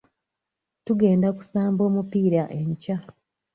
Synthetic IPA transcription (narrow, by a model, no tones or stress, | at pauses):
tuɡe̞ːndaku̥saːmbo̞ːmupiːɾaʔe̞ɲca